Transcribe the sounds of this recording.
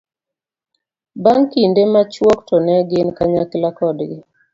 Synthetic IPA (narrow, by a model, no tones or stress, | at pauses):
baŋkindemat͡ʃwɔktɔnɛɡɪnkaɲaklakɔdɡɪ